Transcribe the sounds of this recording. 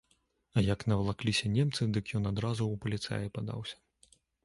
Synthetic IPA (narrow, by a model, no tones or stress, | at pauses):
ɐjɐknɐvlˠaklʲisʲɐnʲɛmt̪sɨd̪ɨkjɔnad̪ɾazuupɐlʲit̪sa̰jɐpad̪a̰wsʲɐ̥